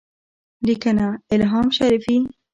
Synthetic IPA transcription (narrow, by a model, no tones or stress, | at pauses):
likanaɪlɦɑːmʃaɾifi